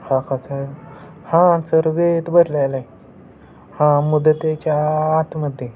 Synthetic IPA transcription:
hãkat͡sa | hãnt͡səɾɡet̪bəɾlalaj | hãmud̪ət̪et͡ɕaːt̪məd̪ʱːje

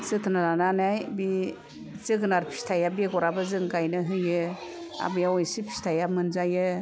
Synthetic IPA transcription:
sɯtʰɯnaɾananajbi | zɯɡɯnaɾpʰi̥stʰajabeɡɔɾabɯzɯŋɡajnɯɦɯjɯ | a̰bɯjaɔjsipʰi̥stʰajamɯnzajɯ

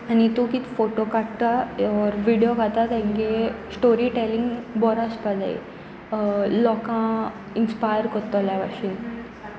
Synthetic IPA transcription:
anit̪ukit̪foʈokaʈt̪aɔɾʋiɽijokat̪at̪ãŋkesʈoɾiʈɛlĩŋɡbɔɾaspad͡za̰ḭ | lɔkã | inspajəɾkɔɾt̪ɔlaʋa̰ɕin

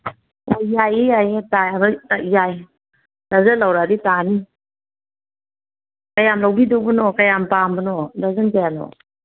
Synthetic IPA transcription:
ɔjajijajetajabɯtajaj | dazɯlawɾaditani | kajamlawbidɔbɯnɔkajampambɯnɔdazəntajanɔ̰

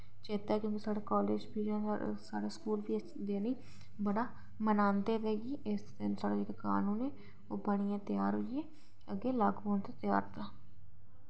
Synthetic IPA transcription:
t͡ʃeːt̪aɛkjõːkisaːɽeːkɔːleːd͡ʒpiːd͡ʒãːnsaːɽeːskuːlbiː | d̪eːnĩː | bəɽaː | mənaːnd̪eːd̪eːɡiːʔɪsd̪ɪnsaːɽed͡ʒeːɽeka̰ːnũːneː | oːbəɽ̃ijãːt̪ɪjaːɾɦʊɪeː | əɡeːlaːɡboːnt̪eːt̪ɪja̰ːɾt̪aː

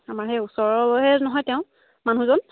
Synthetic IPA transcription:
amaɹɦɛusɔɹɔlojɦɛnɔɦɔjtɛʊ̃ | manũzɔn

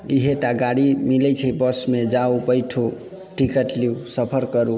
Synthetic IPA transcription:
iɦeʈaɡaɽimilɛt͡ʃʰəbəsmed͡ʒaubəjʈʰo | ʈikəʈliusəpʰəɾkəɾu

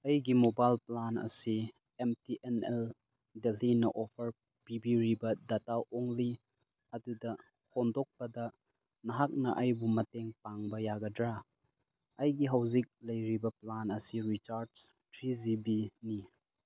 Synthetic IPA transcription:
ɐjɡimobajlplanɐ̰si | emtiʔenel | delinɐʔɔpʰɐɾ | pibiɾibɐdataʔoŋli | ɐdudɐ | hondɔk̚pɐdɐ | nɐɦak̚nɐʔɐjbumɐteŋpaŋbɐjaɡɐdɾa | ɐjɡiɦɐwzik̚lɐjɾibɐplanɐsiɾit͡ʃaɾds | tɾizibini

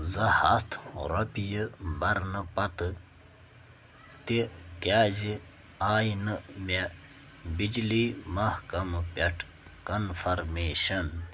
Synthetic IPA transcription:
zɐhɐt̪ʰɾɐpijibɐɾnɐpɐt̪ɨ | t̪ikaːzi | aːjnɨme | bid͡ʒliːmɐhkɐmpʲeʈʰ | kɐnfɐɾmeːɕɐn

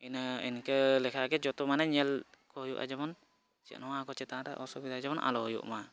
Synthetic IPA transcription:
inḭnkelɛkʰaɡɛd͡ʒɔt̪ɔmanɛɲɛlkɔɦɔjuʔa̰d͡ʒɛmɔn | t͡ʃɛ̰ʔnɔmakɔt͡ʃɛt̪aãɾɛ̰ʔɔsɔbid̪ad͡ʒɛbɔnʔa̰lɔɦɔjṵʔma

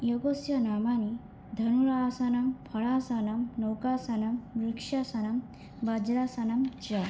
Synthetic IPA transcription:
jɔɡosjɐnamani | d̪ʱɐnuɾaːsanɐmpʰɐɭasanɐmnɔwkasanɐmɾukʂjasanɐm | bɐd͡ʒɾasanɐmt͡ʃɐ

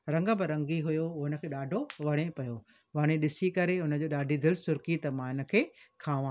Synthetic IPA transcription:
ɾɐ̃ŋɡə̆bɪɾɐ̃ŋɡiɦʊjoʊɦɪnəkʰeːɗaːɖʱoʋɐɽ̃epɐjo | ʋɐɽ̃eɗɪsikɐɾeʊnə̆d͡ʑoːɗaːɖʱid̪ɪlsʊɾkit̪ɐmãːɪnə̆kʰeːkʰaːʋãː

